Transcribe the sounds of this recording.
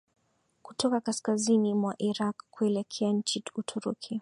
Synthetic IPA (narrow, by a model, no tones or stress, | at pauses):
kutʰɔkakaskazinimwaʔiɾakkːuɛlɛkʰɛaɲ̩t͡ʃiutʰuɾukʰi